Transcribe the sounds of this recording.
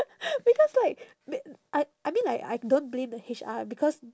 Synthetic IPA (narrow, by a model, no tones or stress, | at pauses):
b̥ikɔslaɪk̚ | bʔaɪ | ajmĩnlaɪka̰ɪdõntblẽmdəhit͡ʃa̰bikʰɔs